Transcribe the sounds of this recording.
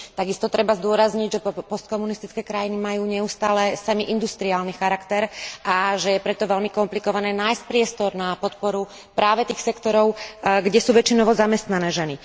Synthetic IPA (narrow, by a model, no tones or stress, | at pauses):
t̪aɡist̪ɔt̪ɾɛbazd̪ʊɔɾazɲiɟʒɛpɔst̪̚kɔmunist̪it͡skɛːkɾajinimajuːɲɛust̪aːlɛsamiʔind̪ust̪ɾiaːlnixaɾakt̪ɛɾaʒɛjɛpɾɛt̪ɔʋɛlmikɔmplikɔʋanɛːnajsc̚pɾɪɛst̪ɔɾnapɔt̪pɔɾu | pɾaːʋɛt̪iːxsɛkt̪ɔɾɔʊɡɟɛsuːʋɛt͡ʃinɔʋɔzamɛst̪nanɛːʒɛni